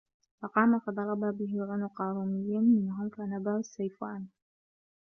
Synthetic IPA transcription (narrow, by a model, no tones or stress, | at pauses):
fɑqɑːmafɑd̪ˤɑɾˤɑbabɪɦɪlʕanuqɑːɾuːmɪjːanmɪnɦʊmkanabaasːajfaːn